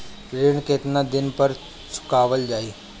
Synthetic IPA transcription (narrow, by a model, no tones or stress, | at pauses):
ɾeːɽ̃keːt̪nãd̪ɪnpɐɾ | sʰʊ̥kaːʋəld͡ʒaːiː